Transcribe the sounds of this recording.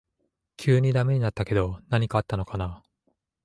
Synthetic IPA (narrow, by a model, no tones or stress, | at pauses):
kʲʰɨːɲ̟id̪ame̞ɲ̟inat̪ːake̞d̪o̞naɲ̟ikaat̪ːano̞kana